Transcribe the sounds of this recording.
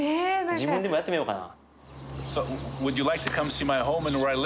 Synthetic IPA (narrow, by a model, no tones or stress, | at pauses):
t͡ɕibundimoat͈ːɯmeoka̰na̰ | soʊwɨd͡ʒɨlaɪk̚tʰɨkʰʌ̃mtʰimaɪɦõʊ̃mɨ̃nwə˞aɪl